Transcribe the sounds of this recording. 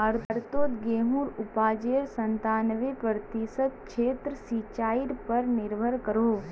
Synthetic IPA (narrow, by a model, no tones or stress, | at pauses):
ɐɾt̪ɾt̪oːt̪ɡeːɦũːɾʊpaːd͡ʒeːɾsə̃nt̪aːnʋepɾəɾət̪isət̪̚ʃeːt̪ɾəsit͡ʃaːiɾpɐɾnɪɾbʱəɾkəɾoː